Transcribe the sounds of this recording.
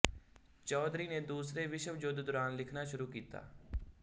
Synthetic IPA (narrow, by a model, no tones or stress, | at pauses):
t͡ʃɔːd̪ɾiːneːd̪uːsɾeʋɪʃəʋd͡ʒoːd̪d̪ʊɾaːnlɪkʰnaːʃʊɾuːkiːt̪a̰ː